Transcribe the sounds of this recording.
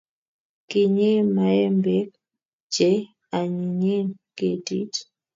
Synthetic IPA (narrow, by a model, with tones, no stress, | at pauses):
ki˨ɲe˦ma˨˦ɛ˦mbɛ˦k̚ | d͡ʒɛ˦ | a˨ɲi˨ɲe˦nke˨dḭ˦t